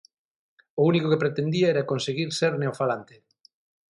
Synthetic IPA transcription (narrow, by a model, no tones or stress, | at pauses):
ounikokepɾet̪end̪iaɛɾakonseɣiɾseɾneofalant̪e